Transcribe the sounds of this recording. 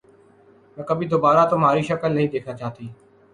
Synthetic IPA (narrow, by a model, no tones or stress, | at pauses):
nə̃ːkəbiːd̪oːbaːɾaːt̪oːmaːɾiːʃəkəlnəɦĩːd̪eːkʰnãːt͡ʃaːt̪iː